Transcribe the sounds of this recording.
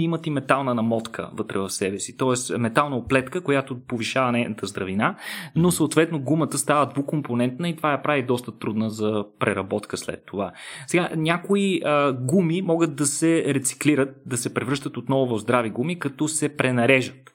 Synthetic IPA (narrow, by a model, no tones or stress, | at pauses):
imət̪imɛt̪alˠnənɐmɔt̪kʰə̰vɤt̪ɾɛ̰vɐfsɛbɛsit̪ɔɛsmɛt̪alˠnəoplɛt̪kəkojat̪opoviʃavənɛjnət̪əzd̪ɾɐvinanosəot̪vɛt̪noɡumət̪əst̪avəd̪vukomponɛnt̪nəit̪ovajɐpɾavid̪ɔst̪ət̪ɾud̪nəzɐpɾɛɾɐbɔt̪kəslɛ̰t̪ːovasɛɡanʲakoiəɡumimɔɡət̪̚d̪ɐsɛɾɛt̪si̥kliɾət̪̚d̪ɐsɛpɾɛvɾɤʃt̪ət̪ot̪nɔvʊvɐvzd̪ɾaviɡumikɐt̪ɔsɛpɾɛnɐɾɛʒət̪